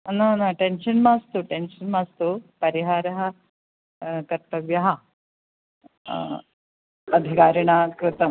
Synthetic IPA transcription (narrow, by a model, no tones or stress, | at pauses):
ɐnanaʈenʃɐnmaːst̪uʈenʃɐnmaːst̪upɐɾiɦaːɾɐɦɐ | kɐɾt̪ɐʋjɐɦɐ | ɐd̪ʱikaːɾiɳaːkɾɪt̪ɐm